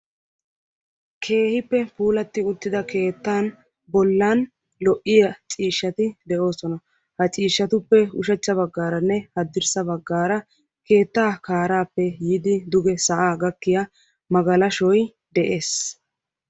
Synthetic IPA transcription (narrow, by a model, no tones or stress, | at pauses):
kʰe̞ːhɪpːɛpuːlɐt̪ːɪʊt̪ːɪd̪ɐke̞ːt̪ːaːn | bɔlːaːn | lɔʔɪjɐt͡ʃʼiːʃːɐt̪ɪd̪ɛʔo̞ːsɔnɐ | hɐt͡ʃʼiːʃːɐt̪ʊpːɛʊʃɛt͡ʃːɐbɐɡːaːɾɐnːɛhɐd̪ːɪɾsɐbɐɡːaːɾɐ | ke̞ːt̪ːaːkaːɾaːpːɛjiːd̪ɪd̪ʊɡɛsɐʔaːɡɐkːɪja | mɐɡɐlɐʃɔj | d̪ɛʔe̞ːs